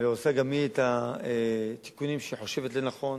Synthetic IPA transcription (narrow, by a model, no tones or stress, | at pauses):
iosaɡamiet̪aet̪i̥kunimʃeħo̞ʃevet̪lenaχo̞n